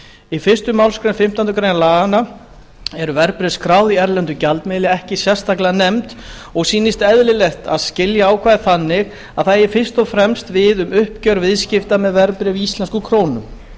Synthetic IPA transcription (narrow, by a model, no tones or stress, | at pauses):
ifɪr̥st̪ʏmawlskɾejnfɪm̥t̪ant̪ʏkʰɾejnalaːɣana | ɛɾʏvɛɾpɾɪskɾaːwðiɛɾlɛnt̪ʏcalt̪mɪːlɪɛhcɪsɛst̪aklɪanɛmt̪ | ɔɣsiːnɪst̪ɛðlɪlɛxt̪aðscɪljaaːwkʰvaːðɪθanːɪɣ | aðθaðjɛɾfɪr̥st̪ɔfɾɛmst̪vɪðʏmʏhpcœɾvɪðscɪft̪amɛðvɛɾpɾɪvist̪lɛnskʏkʰɾoːwnʏm